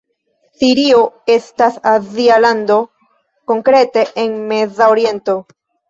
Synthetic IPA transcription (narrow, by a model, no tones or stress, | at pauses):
siɾioe̞stasazialand̪o̞ | ko̞ŋkɾe̞te̞ʔːnme̞zaoɾie̞nto̞